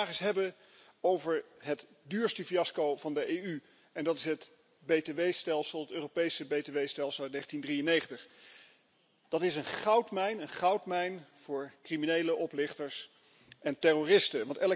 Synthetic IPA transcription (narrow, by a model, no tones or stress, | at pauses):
aːχɪsɦɛbə | owvəɹɦət | dyːɹstəfiɑskowvɑndəʔejy | ɛndɑtɪsɦət | bejteʋejstɛlˠsəlˠɦətøːropejsəbejteʋejstɛlˠsəlˠnejχən̩tindrijənejχəntəχ | d̥ɑtɪsənχɑwtmɛjnənχɑwtmɛjnv̥ʊːɹkriminejləʔɔplɪχtəɹs | ʔɛntɛroːrɪstəʋɑntɛl